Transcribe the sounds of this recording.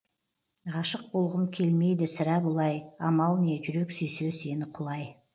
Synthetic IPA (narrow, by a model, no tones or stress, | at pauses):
ʁɑʃəq̚bolˠʁəmkʲʰe̞lme̞jd̪ɪsɪɾæbʊlˠɑjɑmɑlˠne̞ʒʏɾe̞ksyjsøse̞nɪqʰʊlˠɑj